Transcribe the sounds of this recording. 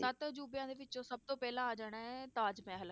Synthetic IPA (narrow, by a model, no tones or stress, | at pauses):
sət̪d͡ʒuːbjãːd̪eːʋɪt͡ʃːõːsəb̚t̪õːpɛːlãːaːd͡ʒaːɽaːɛt̪aːd͡ʒmɛ̃ːɦəl